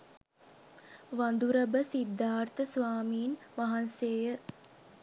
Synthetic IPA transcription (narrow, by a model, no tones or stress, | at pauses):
ʋand̪uɾəbəsid̪ʱːaːrt̪əsʋaːmiːnʋaɦanseːjə